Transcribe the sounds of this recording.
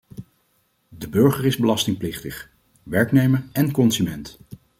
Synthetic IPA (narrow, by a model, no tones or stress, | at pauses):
dəbøɹχəɹɪzbəlɑstɪŋplɪχtəχ | ʋɛɹknejməɹɛnkɔnsymɛnt